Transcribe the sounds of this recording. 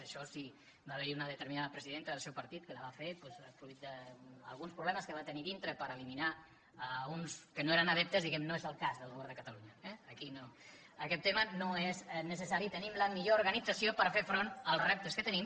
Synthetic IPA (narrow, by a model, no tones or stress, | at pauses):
əʃɔsi | baβəɾiunəðət̪əɾminaðəpɾəziðent̪əðəlˠsewpəɾt̪it̪̚kələβafepwɛzəfɾut̪̚d̪əə̰lˠɣunspɾuβlɛməskəβat̪əniðint̪ɾəpəɾəlimina | əɣunskənoeɾənəðɛp̚t̪əzðiɣɛmnoezəlˠkazðəlˠɣuβɛɾðəkət̪əluɲəɛːkino | əkɛt̪ːemənoeznəsəsaɾit̪ənimləmiʎouɾɣənidd͡zəsiopəɾfefɾonəlˠsrɛp̚t̪əskət̪ənim